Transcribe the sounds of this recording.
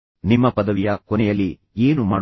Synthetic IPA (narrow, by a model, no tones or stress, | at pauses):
nimːɐpɐd̪ɐʋijɐkɔnɛjɐlːi | eːnumaːɽ